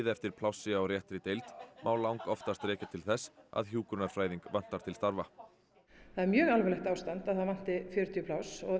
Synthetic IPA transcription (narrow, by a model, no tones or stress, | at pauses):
ðɛft̪ɪɾ̥pʰlawsɪawɾjɛht̪ɾɪt̪ejlt̪mʔaːwlawŋkɔft̪ast̪ɾɛːcat̪ʰɪlθɛsːa̰ðçjuːkɾʏnaɾfɾaːjðiŋkvan̥t̪aɾ̥t̪ʰɪlst̪aɾva | θaðɛɾmjœːɣalvɛlɛht̪awst̪ant̪aðθaðvan̥t̪ɪfjœːɾʏt̪ʰiʏpʰlawsɔ